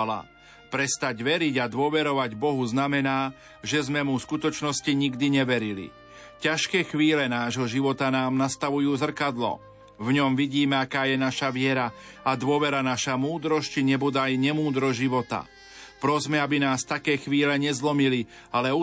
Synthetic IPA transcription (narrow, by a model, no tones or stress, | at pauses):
la̰ | pɾɛst̪aɟʋɛɾiɟad̪ʊɔʋɛɾɔʋaɟbɔɦuznamɛnaː | ʒɛzmɛmufskut̪ɔt͡ʃnɔsciɲiɡd̪iɲɛʋɛɾilḭ | caʃkɛːxʋiːlɛnaːʒɦɔʒiʋɔt̪anaːmnast̪aʋujuːzr̩kad̪lɔ̰ | vɲɔmʋiɟiːmɛakaːjɛnaʃaʋɪɛɾa | ad̪ʊɔʋɛɾanaʃamuːd̪ɾɔsciɲɛbud̪ajɲɛmuːd̪ɾɔʒiʋɔt̪a̰ | pɾɔzmɛabinaːst̪akɛːxʋiːlɛɲɛzlɔmili | alɛu